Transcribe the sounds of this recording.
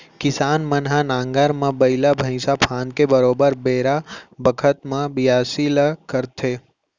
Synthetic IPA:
kɪsaːnmənɦanãːŋɡaɾmãbɐɪlabʱɐ̃ɪ̃sapʰãːnd̪̚kebəɾoːbəɾbeːɾabəkʰət̪mãbɪjaːsiləkəɾt̪ʰeː

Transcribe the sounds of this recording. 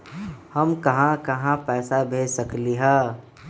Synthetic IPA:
həmkɐɦãkɐɦãpɛːsabʱeːd͡ʒsəkliɦɛː

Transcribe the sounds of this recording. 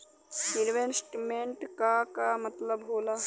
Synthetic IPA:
iɾʋensʈmẽɳʈkakamɐt̪ləbɦoːlaː

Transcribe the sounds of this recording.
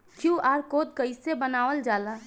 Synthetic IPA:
kjuʔaːɾkoːd̪̚kəɪsebənaːʋəld͡ʒaːla

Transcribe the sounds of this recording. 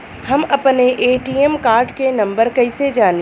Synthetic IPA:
hɐmɐpneʔeːʈiːɛmkaːɾɖkenɐ̃mbəɾkɐɪsed͡ʒaːn

